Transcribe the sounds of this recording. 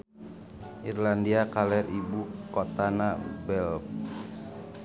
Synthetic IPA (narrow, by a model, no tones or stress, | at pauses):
ʔirlandiakalɛribukot̪anabɛlps